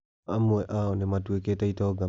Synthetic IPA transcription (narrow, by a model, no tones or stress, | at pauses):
amːueʔaonemadueket̪ait̪oɡa